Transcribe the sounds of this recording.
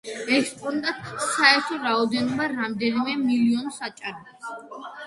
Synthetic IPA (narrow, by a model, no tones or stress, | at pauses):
ɛkspʼɔnd̪at̪saɛɾt̪ʰɔɾaɔd̪ɛnɔbaɾamd̪ɛnimɛmiliɔnsat͡ʃʼaɾɔbas